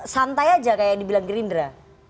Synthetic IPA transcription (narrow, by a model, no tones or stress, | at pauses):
sant̪ajad͡ʒakajak̚dibilaŋɡɾindɾa